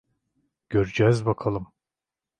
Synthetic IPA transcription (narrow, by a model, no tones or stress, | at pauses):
ɟ̥øɾyd͡ʒɛzbakʰalˠɯm